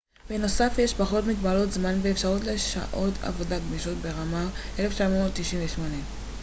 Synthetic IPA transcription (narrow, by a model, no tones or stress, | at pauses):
beno̞safjeʃbaχo̞tmit̪balot̪zmanveːfʃaʁutleʃa̰ʔo̞t̪ʰa̰vo̞daɡmiʃotbe̞ʁamaʔeleft͡ʃamoott̪ːiʃinveʃmo̞ne